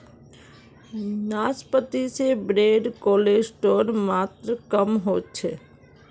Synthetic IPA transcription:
naːspət̪isebɾeːɖkoːleːd͡ʒsʈoːɾmaːt̪ɾəkəmɦoːt͡ʃʰeː

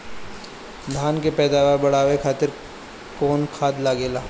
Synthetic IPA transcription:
d̪ʱaːnkepɛːd̪aːʋəɾbɐɽ̤aːʋekʰaːt̪ɪɾ | koːnkʰaːd̪laɡeːlaː

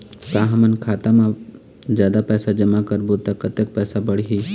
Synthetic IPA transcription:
kaːɦmənkʰaːt̪amã | zjaːd̪apɛːsad͡ʒəmakəɾbot̪akət̪ek̚pɛːsabəɽ̤ɦi

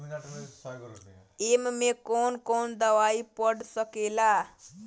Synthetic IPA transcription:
emmekonkond̪əʋaipəɽsəkela

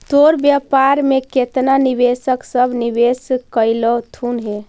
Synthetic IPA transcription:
t̪oɾbjapaɾmeket̪naniʋesəksəbʱniʋeskəjlɔt̪ʰunɦe

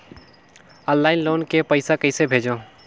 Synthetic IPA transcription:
ə̃nːaːɪnloːnkepəɪsakəɪsebʱeːd͡ʒõ

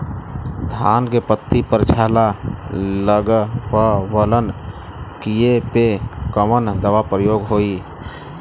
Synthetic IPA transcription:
d̪ʱaːnkepət̪ːipəɾt͡ʃʰaːla | ləɡpəʋələn | kijepekəmənd̪əʋapɾəjoːɡɦoːi

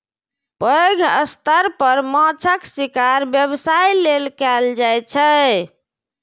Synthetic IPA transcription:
pɾəoɡʱə̰st̪əɾpəɾmãt͡ʃʰəksikaɾbjəbsajlelkɛld͡ʒajt͡ʃʰə

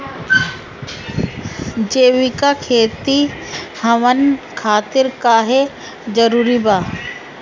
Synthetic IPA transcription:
d͡ʒeːʋɪkakʰeːt̪ihɐʋənkʰaːt̪ɪɾkaːɦe | d͡ʒɐɾuːɾibaː

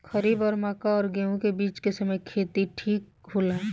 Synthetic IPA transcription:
kəɾiːbɔːɾmaːkaɔːɾɡẽːũkebiːt͡ʃkesəməjkʰeːt̪iʈʰiːk̚bʱula

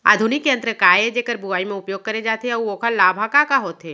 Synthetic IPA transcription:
a̰ːd̪ʱʊnɪkːeɐ̃nt̪ɾəkaːjed͡ʒeːkəɾbuaːimẽʊpjoːɡ̚kɐɾed͡ʒaːt̪eɐuoːkʰalaːbʱakakaɦoːt̪eː

